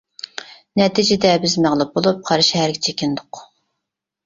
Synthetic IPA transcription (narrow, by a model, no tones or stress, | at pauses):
nɛt̪ʰid͡ʒɪd̪ɛbɪzmæʁlˠɨp̚bolˠup̚qʰɑɾʃhæɾɡʲɪt͡ʃʰekʲɪnd̪ʊq